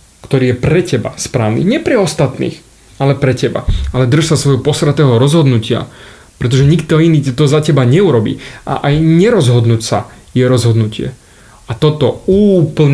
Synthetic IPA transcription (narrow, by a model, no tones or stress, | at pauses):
kt̪ɔɾiːjɛpɾɛcɛba̰spɾaːʋnḭɲɛpɾɛɔst̪at̪nḭːx | alɛpɾɛcɛba̰alɛd̪r̩ʃsasʋɔjɦɔpɔsɾat̪ɛːɦɔɾɔzɦɔd̪nucɪa̰ | pɾɛt̪ɔʒɛɲikt̪ɔiniːt̪ɔzacɛbaɲɛuɾɔbḭːʔa̰ʔajɲɛɾɔzɦɔd̪nucsa̰ | jɛɾɔzɦɔd̪nucɪɛ̰ | at̪ɔt̪ɔuːpl̩ɲ